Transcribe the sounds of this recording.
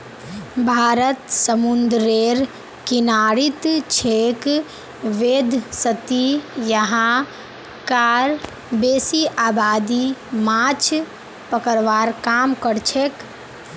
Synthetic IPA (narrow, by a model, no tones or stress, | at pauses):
bʱaːɾət̪səmund̪ɾeɾ | kinaɾit̪t͡ʃʰek | ʋeːd̪ʱsət̪ijəɦã | kaɾ | beːsiʔaːbaːd̪imat͡ʃʰ | pəkəɾʋaːɾkamkəɾt͡ʃʰek